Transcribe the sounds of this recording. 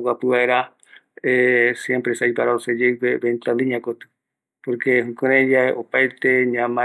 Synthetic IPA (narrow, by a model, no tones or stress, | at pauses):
wapɨβaeɾa | esjempɾesajpaɾaosed͡ʒewpeβẽnt̪aniɲãkot̪ɨ̥ | poɾke̞hũkoɾẽjaeʔopajt̪eɲãmã